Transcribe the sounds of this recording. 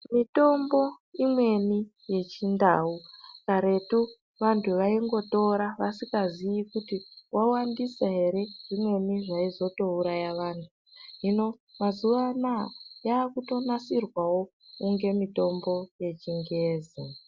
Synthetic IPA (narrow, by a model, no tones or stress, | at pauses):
mito̞mbo̞ | imwe̞ni | je̞t͡ʃindaukaɾe̞tu | ʋantʰuʋaiŋɡo̞to̞ɾaʋasikazijikutiwʔawandisaɦe̞ɾe̞ʐ̥imwe̞niʐaizo̞touɾajaʋaːntʰuɦino̞ | mazuʋanajaːkuto̞nasirwawo̞ | kuŋɡe̞mito̞mbo̞je̞t͡ʃiŋɡeːze